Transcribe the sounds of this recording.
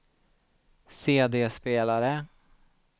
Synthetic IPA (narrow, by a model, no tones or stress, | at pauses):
seːd̪eːspeːlaɾə